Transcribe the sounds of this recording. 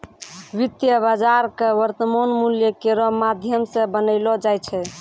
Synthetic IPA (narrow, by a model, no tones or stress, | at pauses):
ʋit̪jəbad͡ʒaɾkeʋəɾt̪əmonmuljəkeɾɔmad̪ʱjəmsẽbənəɪlɔd͡ʒajt͡ʃʰɛ